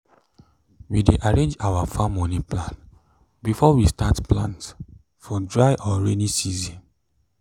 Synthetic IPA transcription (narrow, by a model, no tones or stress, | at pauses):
wideʔaɹẽnd͡ʒawafãmɔ̃niplãn | bifɔwistatplãnt | fɔdɹaɪʔɔɹenisizĩn